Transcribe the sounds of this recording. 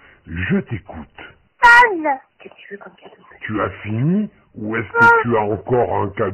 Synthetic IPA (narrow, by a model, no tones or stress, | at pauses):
ʒət̪ekut̪ | an | t̪yafini | uɛskət̪yaɑ̃kɔʁɛ̃ka